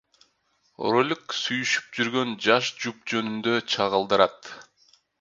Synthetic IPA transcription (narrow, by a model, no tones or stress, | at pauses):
rolʲksyjyʃy̥p̚d͡ʒyɾɡø̞nd͡ʒɑʃd͡ʒup̚d͡ʒø̞nynd̪øt͡ʃʰɑʁəlˠd̪ɯɾɑt̪